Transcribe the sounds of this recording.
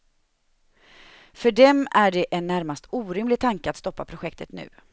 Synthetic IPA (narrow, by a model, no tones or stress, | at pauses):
fœɖɛmæɖɛʔɛnːæɾmast̪uːɾɪmlɪɡ̚t̪ʰaŋkəat̪st̪ɔpːapʰɾʊɧɛk̚t̪ət̪nʉ̟̰ː